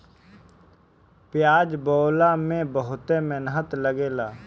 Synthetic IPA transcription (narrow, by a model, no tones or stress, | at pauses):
pjaːd͡ʒbɔːlamẽbəɦʊt̪emenɦət̪ləɡeːlaː